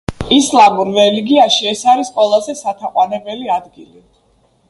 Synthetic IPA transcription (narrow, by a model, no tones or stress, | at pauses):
islˠamuɾɾɛliɡiaʃiɛsaɾisqʼwɛlˠazɛsat̪ʰaqʼwanɛbɛliad̪ɡili